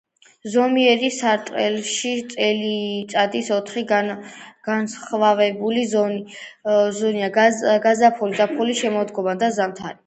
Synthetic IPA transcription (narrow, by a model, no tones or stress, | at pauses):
zɔmiɛɾisaɾt̪ʼqʼɛlʃit̪sʼɛlit̪sʼad̪isɔt̪ʰχiɡɡ̥ansχvavɛbulizɔ | zɔniaɡazapʰulid̪zapʰχuliʃɛmɔd̪ɡɔmad̪azamt̪ʰaɾi